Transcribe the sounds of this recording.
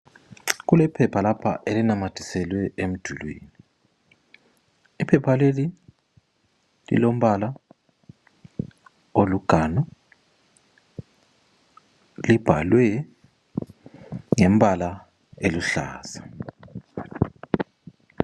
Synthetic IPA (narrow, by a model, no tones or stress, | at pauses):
ɣulɛpʰɛpʰalapʰa̰ʔelinamad̥ʱisɛlwɛʔem̩d̥ʱulwḭːni | ipʰɛpʰaleli | lḭlom̩βala | oluɡ̥ʱanɔ | lib̥ʱalwɛ | ŋem̩bala | eluɬa̰ːsḁ